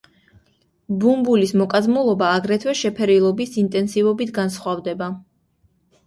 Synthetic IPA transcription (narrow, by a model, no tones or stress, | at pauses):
bumbulismɔkʼazmulˠɔbaːɡɾɛt̪ʰwɛʃɛpʰɛɾilˠɔbisint̪ʼɛnsivɔbit̪ʰɡansχwavd̪ɛba